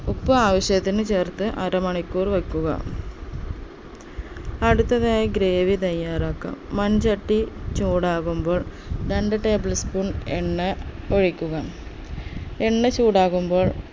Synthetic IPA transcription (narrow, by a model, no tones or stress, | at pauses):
upːɨaːʋɐɕjɐt̪ːinɨt͡ɕeːrt̪ɨʔɐɾɐmɐɳikːuːrʋɐkːuɣɐ̰ | ɐɽut̪ːɐðaːjɐɡɾeːʋit̪ɐjːaːɾaːkːɐ̰mːɐnd͡ʑɐʈːit͡ɕuːɽaːɣumbo̞ːɭ | ɖɐɳɖɐʈeːblspunenːɐoɻikʲːuɣɐ | enːɐt͡ɕuːɽaːɣumbo̞ːɭ